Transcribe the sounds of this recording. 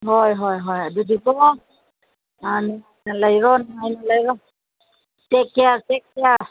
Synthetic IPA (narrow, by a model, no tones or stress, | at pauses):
ɦɔjɦɔjɦɔjadudikɔ | anianalaiɹɔnajnalajɹɔ | tɛkɛatɛk̚ɛja